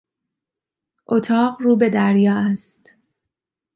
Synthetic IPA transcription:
ʔot̪ʰɒːɢruːbe̞d̪æɾjɒːæst̪

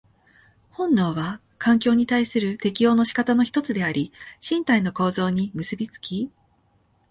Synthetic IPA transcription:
hõ̞nːo̞ːβa | kʰãŋk̬ʲo̞ːɲ̟it̪aisɨɾɯ̟t̪e̞kʲijo̞ːno̞ɕi̥kat̪ano̞çi̥t̪o̞t͡sɨd̪e̞aɾʲiɕĩnt̪aino̞ko̞ːzo̞ːɲ̟imɯ̟sɨbʲit͡sɨ̥kʲi

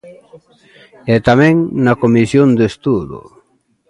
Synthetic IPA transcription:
ɛt̪amɛ̃ŋnakomisjond̪est̪uðo̰

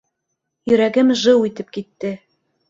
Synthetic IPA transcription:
jɵ̆ɾæɡɘmʒɤwit̪ɘp̚kit̪ːɘ

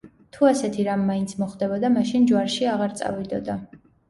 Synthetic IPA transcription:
t̪ʰuasɛt̪ʰiɾamːaint̪sʰmɔχd̪ɛbɔd̪amaʃind͡ʒwaɾʃiaʁaɾt̪sʼa̰vid̪ɔd̪a

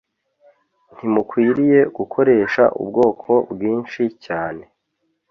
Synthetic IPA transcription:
n̥himukwiːɾije̞ɡukʰo̞ɾe̞ːʃa̰ʔṵbɡo̞ːkʰo̞bɡiːnʃicaːne̞

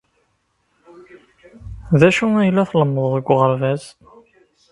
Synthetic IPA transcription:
ðæʃuæjlːæθləmːəðˤːəɡʷːʁəɾvæz

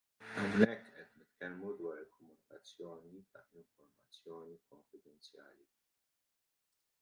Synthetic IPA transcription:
ɐmnɛkːʔɛt̪nɪt̪kɛlmud̪wɐːɾɪlkɔmʊnɪkɐt͡sːjɔːniɐɪɱfɔɾmɐt͡sːjɔːnikɔɱfɪd̪ɛnt͡sjɐ̰ːli

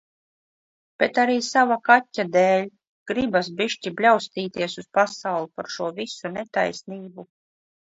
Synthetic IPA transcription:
b̥et̪aɾiːsavakatʲːad̪ɛːlʲ | ɡ̥ɾibas̬biʃtʲiblʲawst̪iːt̪iɛsuspasawlˠupaɾʃuɔvisunet̪a̰jsniːbu

